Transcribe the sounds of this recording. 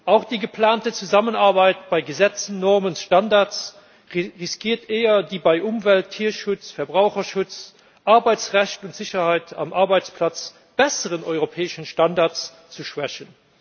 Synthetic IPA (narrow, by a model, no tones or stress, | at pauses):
ʔaʊxd̥iːɡəpʰlaːntət͡suzamənaɐbaɪtb̥aɪɡəzɛt͡sən̩ːɔʁmənʃtɑndaʁs | ʁɪskʰiːɐteːɐdiːbaɪʔʊmvɛltʰːiːɐʃʊt͡sfɛːɐbʁaʊχɐʃʊt͡s | ʔaɐbaɪt͡sʁæɕtʊntz̥ɪɕɐhaɪtʰa̰mʔaɐbaɪt͡spʰlat͡s | b̥ɛsəʁənʔɔʏʁopʰɛːɪʃənʃtɑndaɐt͡s | t͡suʃvɛɕən